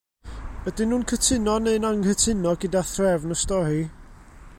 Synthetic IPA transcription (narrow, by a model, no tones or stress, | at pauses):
bədɪnuːnkʰətʰɪnɔnenaŋhətʰɪnɔɡɪdaθrɛvnəstɔhiː